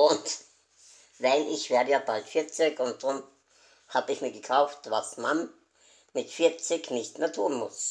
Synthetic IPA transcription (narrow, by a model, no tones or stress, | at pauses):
ʔʊnt | vaɪlʔɪçv̥eːɐdəjaːb̥altfɪɐt͡sɪkʊnt̚d̥ʁʊm | haːbəɪçmiːɐɡəkʰaʊftvasman | mɪtfɪɐt͡sɪknɪçtmeːɐtʰuːnmʊs